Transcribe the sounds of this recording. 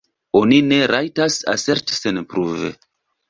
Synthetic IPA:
o̞nine̞ɾʔajtasa̰se̞ɾtsenpɾuvḛ

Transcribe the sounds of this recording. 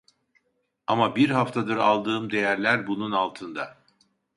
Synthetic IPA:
amabiɾɦaft̪ʰad̪ɯɾa̰lˠd̪ɯːmd̪e̞jæɾlʲæɾbununalˠt̪ʰɯnd̪a

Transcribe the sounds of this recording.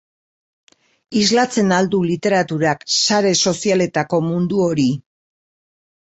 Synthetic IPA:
izlat͡se̞nald̪ulit̪e̞ɾat̪uɾaksaɾe̞so̞siale̞t̪ako̞mund̪uo̞ɾi

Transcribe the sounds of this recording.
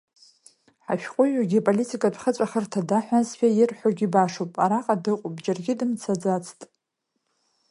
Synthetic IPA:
ħa̰ʃᶣqʷʼʊaɡʲipʼolitʼikʼadʷʰχət͡sʷʼaχərtʰadaħʷᶣazħʷᶣajɪrħʷoɡʲibaʂopʼaɾaqʼadɨqʷʼʊpʼd͡ʒarɡʲɪdɨmt͡sʰad͡zat͡sʰtʼ

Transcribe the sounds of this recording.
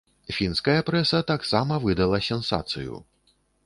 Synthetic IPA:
fʲinskɐjɐpɾɛsɐt̪aksamɐvɨd̪ɐlˠɐsʲɛnsa̰t̪sɨ̰jṵ

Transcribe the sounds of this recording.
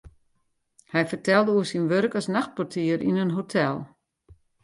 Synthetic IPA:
hɛjfərtɛlˠdəuəsinʋørkɔsnaxt̚pɔrtʰiərʔḭnənɦotʰɛlˠ

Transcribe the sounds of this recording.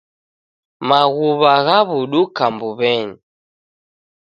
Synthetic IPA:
maɣuβaɣaβuɗukambuβɛɲi

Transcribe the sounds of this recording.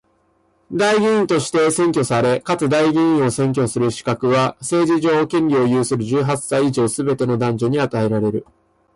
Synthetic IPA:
d̪aiɡʲĩĩnt̪o̞ɕi̥t̪e̞sẽ̞ŋkʲo̞saɾe̞kat͡sɨd̪aiɡʲĩĩɰ̃o̞sẽ̞ŋk̬ʲo̞sɨɾɯ̟ɕi̥kakɯ̟βase̞ːʑiʑo̞ːkẽ̞nʲio̞jɯːsɨɾɯ̟ʑɨːɦasaiːʑo̞ːsɨbe̞t̪e̞no̞d̪ãɲ̟d͡ʑo̞ɲ̟iat̪ae̞ɾaɾe̞ɾɯ̟

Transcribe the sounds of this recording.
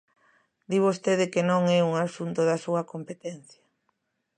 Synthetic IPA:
d̪iβost̪eðɪkenõŋɛuŋasunt̪oðɐsuɐkompet̪ɛn̟θjɐ

